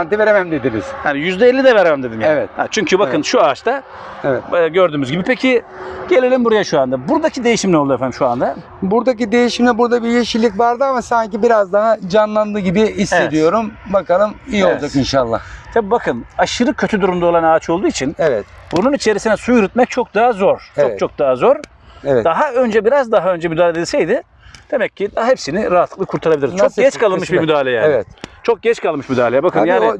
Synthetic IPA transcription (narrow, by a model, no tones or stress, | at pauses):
ant̪iveɾemæmd̪ed̪inḭz̥hanijyzd̪ɛelʲːid̪ɛvɛɾamamd̪e̞d̪imjaevɛt̪ha̰t͡ʃʰyɲcʰybakɯnʃuat͡ʃt̪ʰa | eɛɛɟøɾd̪yːmyzɟibipʰecʰiɟe̞lʲelʲimbuɾajaʃuand̪abuɾd̪acʰid̪e̞jiʃimlʲɛolˠd̪ufɛnmʃuand̪a | buɾd̪ac̬id̪e̞jiʃimlʲɛbuɾd̪abijeʃilʲːic̬vaɾd̪ɯamasaɲcibiɾazd̪aɦad͡ʒanlˠand̪ɯɟibiise̞d̪ijo̞ɾumbakalˠɯmijolˠd͡ʒakinʃalˠːa̰ht̪ʰabibakʰɯnaʃɯɾɯkʰøt̪ʰyd̪uɾumd̪aolˠanaːt͡ʃʰo̞lˠd̪uːit͡ʃʰinɛvɛt̪bununit͡ʃʰe̞ɾisinɛsujyɾyt̪̚mɛc̚t͡ʃʰo̞k̚d̪aɦazo̞ɾot͡ʃʰo̞k̚d̪aɦazo̞ɾ | vɛd̪aɦaø̞nd͡ʒɛbiɾazd̪aɦaø̞nd͡ʒɛmyd̪aːlʲeɛed̪ilʲsɛjd̪ɪ | d̪̥emɛcːid̪aɦɛpsinɪɾaat̪lˠɯklˠɯkʰuɾt̪ʰaɾabiiɾzt͡ʃʰokɟɛt͡ʃkʰalˠɯnmɯʃbiɾmyd̪aːlʲejɛɛt̪t͡ʃʰo̞k̚ɟɛt͡ʃkʰalˠmɯʃmyd̪aːlʲejɛbakʰɯnjaːni